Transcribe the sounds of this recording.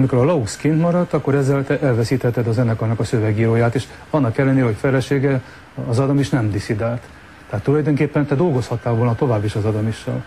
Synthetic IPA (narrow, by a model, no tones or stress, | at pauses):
miko̞ɾɒlɒuskint̪mɒɾɒt̪ːɒkːoɾɛzːɛlt̪ɛʔɛlvɛsiːt̪hɛt̪ɛd̪ɒzɛnːɛkɒnɒkɒsøvɛɡiːɾoːjaːt̪eːʃ | ɒnːɒkɛlːɛneːlɛho̞cfɛlɛʃeːɡɛː | zɒd̪ɒmiʃnɛmd̪isid̪aːlt̪ | t̪ːɛɦat̪ːulɒjd̪o̞ŋkeːpːɛnt̪ɛd̪o̞lɡo̞shɒt̪ːaːolnɒt̪o̞vaːbːiʃɒzɒd̪ɒmiʃːɛ̰l